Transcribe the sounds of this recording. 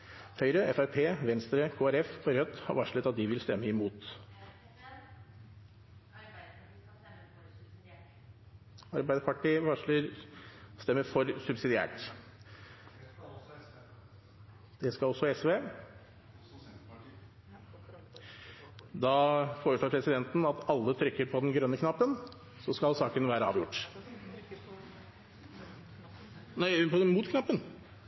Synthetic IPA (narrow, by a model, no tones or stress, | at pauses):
hœʏɾəɛfæɾpʰeːʋɛnst̪ɾəkʰoːæɾɛfɔɾœt̪ːhɑ̰ɾʋɑʂɭət̪ɑt̪̚d̪ɪʋɪlst̪ɛmːəɪmuːt̪ | ɑɾbæɪd̪əpʰɑʈiːʋɑʂləɾ | st̪ɛmːəɾfɔɾsʉbsɪd̪ɪæ̰ːʈ | d̪̥ɛskɑlɔsːɔɛsʋeː | d̪ɑfoːɾəʂɭoːɾpʰɾɛsɪd̪ɛnt̪n̩ɑt̪ɑlːət̪ʰɾʏkːəɾpʰɔd̪ɛnɡɾœnːəkʰnɑpːən | sɔskɑlsɑːkənʋæːɾəɑ̰ːʋjʊʈː | næɪpʰɔd̪ɛnmuːt̪kʰnɑpːən